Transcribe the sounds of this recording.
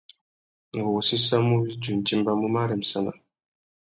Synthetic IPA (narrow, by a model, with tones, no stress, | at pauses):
ŋ̩˨ɡo˨si˦sa˦mu˦βi˦d͡ʒu˨n̩˨t͡ʃi˦mba˦mu˦ma˦ɾɛ˨m̩˨sa˦na̰˨